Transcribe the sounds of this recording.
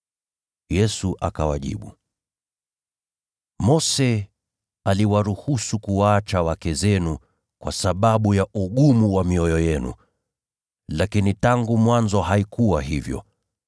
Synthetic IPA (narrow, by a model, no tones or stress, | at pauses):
jɛsuʔa̰kawaʄḭɓu | mɔsɛ | aliwaɾuhusukuwaːt͡ʃawakɛzɛnu | kwasaɓaɓujaʔuɠumuwamiɔjɔjɛnṵ | lakinitaŋɡumwanzɔɦaikuwaɦivjɔ̰